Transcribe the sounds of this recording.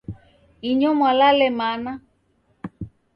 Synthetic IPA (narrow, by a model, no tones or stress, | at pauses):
iɲɔmwalalɛmana